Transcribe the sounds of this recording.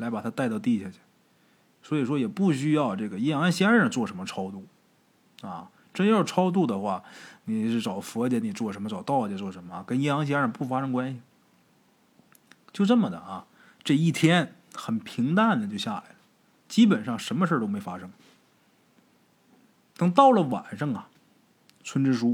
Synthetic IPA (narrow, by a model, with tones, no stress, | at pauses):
la˧˥ɪpa˨˩a˥t̪a˥˧ɪt̪ɑ˥˧ʊt̪i˥˩ɕja˥˩t͡ɕʰy˨˩ | swɔ˧˥i˨˩ʂwɔ˥jɛ˨˩pu˥˩ɕy˥jɑ˥˧ʊʈ͡ʂɤ˥˩ɡə˩jɛ˥jɑ˧˥ŋɕjɛ˥ɻə˥˧˩nt͡swɔ˥˩ʂə˧˥nmə˧ʈ͡ʂʰɑ˥ʊt̪u˥˩ | ɐ̰˥˧ | ʈ͡ʂə˥n˥jɑ˥˩ʊʈ͡ʂʰɑ˥ʊt̪u˥˩d̪ə˩xwa˥˩ni˨˩ʂɻ̩˥˩ʈ͡ʂɑ˨˩ʊfɔ˧˥t͡ɕɛ˧˥ni˨˩t͡swɔ˥˩ʂə˧˥mə˧ʈ͡ʂɑ˨˩ʊt̪ɑ˥˩ʊ˩t͡ɕɛ˧˥t͡swɔ˥˩ʂə˧˥nmə˧˩kə˥njɛ˥jɑ˧˥ŋɕ̬jɛ˥ɻə˧˩pu˥˩fa˥ʂɤ˥ŋkwa˥nɕi˨˩ | t͡ɕjo˥˧ʊʈ͡ʂə˥˩mə˩d̪ə̰˩ʔɐ˩ | ʈ͡ʂɤ˥˧i˥˩t̪ʰjɛ˥n | xə˨˩npʰi˧˥ŋt̪a˥˩nd̪ə˨˩t͡ɕjo˥˧ʊɕja̰˥˩la̰˧˥ɪlə˩ | t͡ɕi˥p̬ə˨˩nʂɑ˥˩ŋʂə˧˥nmə˧ʂ̬ə˞˥˩t̪o˥ʊme˧˥ɪfa˥ʂɤ˥ŋ | n˧˥˩ŋt̪ɑ˥˩ʊlə˨wa̰˨˩nʂɑ˥˩ŋɐ˨ | t͡sʰwə˥nʈ͡ʂɻ̩˥ʂu˥